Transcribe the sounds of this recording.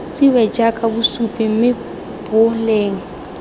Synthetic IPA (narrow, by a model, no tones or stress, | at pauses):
t͡sʼiwɛd͡ʒakʼabusupʼim̩mɪ | b̥ʊleːŋ̩